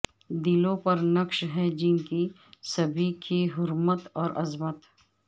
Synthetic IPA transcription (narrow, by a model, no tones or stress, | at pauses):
d̪ilõpɐɾnɐkʃɦɛd͡ʒɪnki | sɐbʱikʰiɦʊɾmət̪ɔːɾʔɐzmət̪